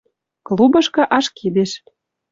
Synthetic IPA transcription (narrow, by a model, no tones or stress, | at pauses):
klubɤ̆ʃkɤ̆ʔɑʃkid̪eʃ